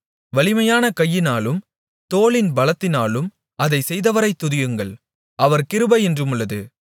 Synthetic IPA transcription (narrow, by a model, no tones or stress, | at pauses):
ʋɐɭɪmɐjaːnɐkɐjːɪnaːlɯm | t̪oːɭɪnbɐlɐt̪ːɪnaːlɯm | ɐðɐɪsɛjðɐʋɐɾɐɪt̪ːʊðɪjɯŋɡɐɭ | ʔɐʋɐɾkɪɾɯbɐɛndrɯmɯɭːɐðɯ